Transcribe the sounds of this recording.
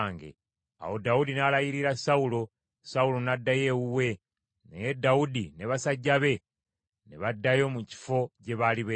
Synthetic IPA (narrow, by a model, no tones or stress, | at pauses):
ŋɡḛ | a̰ho̞daudinalajiɾiɾasaulo̞ | saulo̞nadːaje̞wuwe̞ | nḛjedaudine̞βasaɟːaβe̞ | ne̞βadːajo̞muci̥fo̞ce̞βaliβe